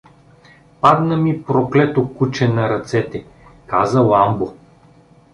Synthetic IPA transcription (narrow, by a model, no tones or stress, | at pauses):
pad̪nəmipɾoklɛt̪okut͡ʃɛnɐɾɐt̪sɛt̪ɛ | kazəlˠambo